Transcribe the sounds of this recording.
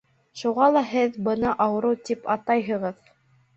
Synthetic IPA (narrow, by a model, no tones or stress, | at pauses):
ʃuʁɑlˠɑɦɘðbɤ̆nɑʔɑwɤ̆ɾɤwt̪ipɑt̪ɑjɦɤ̆ʁɤð